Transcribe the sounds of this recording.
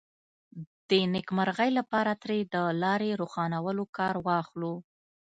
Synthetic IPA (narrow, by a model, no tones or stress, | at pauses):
d̪̥ənɪkmaɾɣəjlapɑɾat̪ɾed̪əlɑɾeɾoxɑnawəlokɑɾwɑxlu